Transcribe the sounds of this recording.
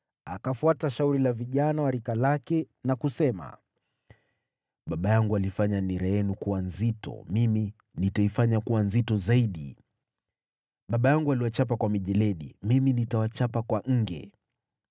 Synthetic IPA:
akafuataʃauɾilaviʄanawaɾikalakɛ | nakusɛma̰ | ɓaɓajaŋɡualifaɲaniɾɛjɛnukuwanzitɔ̰mimi | nitaifaɲakuwanzitɔzaiɗi | ɓaɓajaŋɡualiwat͡ʃap̬akwamiʄɛlɛɗḭmiminitawat͡ʃapakwaŋ̩ɡɛ̰

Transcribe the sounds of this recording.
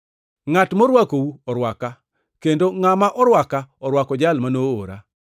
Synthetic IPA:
ŋatmoɾwakouɔɾwaka | kendoŋamaʔɔɾwakaɔɾwakɔd͡ʒalmanoo̰ɾa̰

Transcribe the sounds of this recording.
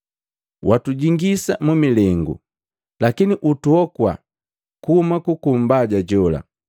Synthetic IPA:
watuɟiŋɡisamumilɛŋɡṵ | lakiniʔutuɔkwa̰ | kuhumakukum̩baɟaɟɔla̰

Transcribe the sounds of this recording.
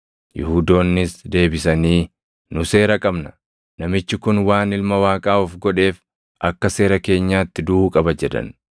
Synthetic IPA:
jɪ̰huːd̪o̞ːnːɪsd̪e̞ːbɪsɐniː | nʊse̞ːɾɐkʼɐbnɐ | nɐmɪt͡ʃːɪkʊnwaːnɪlmɐwaːkʼaːɔfɡɔᶑe̞ːf | ʔɐkːɐse̞ːɾɐke̞ːɲːaːt̪ːɪd̪ʊuːkʼɐbɐd͡ʒɛd̪ɐ̰n

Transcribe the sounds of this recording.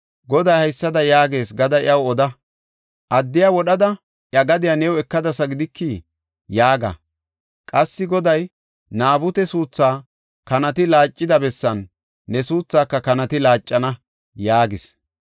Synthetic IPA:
ɡɔd̪ɐjhɐjsːɐd̪ɐjaːɡe̞ːsɡɐd̪ɐɪ̰ɐwɔd̪ɐ | ʔɐd̪ːɪjawɔɗɐd̪ɐ | ʔjɐɡɐd̪ɪjanɛwɛkːɐd̪ɐsɐɡɪd̪ɪkːiː | jaːɡɐ̰ | kʼɐsːɪɡɔd̪ɐj | naːbʊt̪ɛsuːt͡sːaː | kɐnɐt̪ɪlaːt͡ʃʼːɪd̪ɐbɛsːɐnː | ɛsuːt͡sːaːkːɐkɐnɐt̪ɪlaːt͡ʃʼːɐnɐ | jaːɡɪs

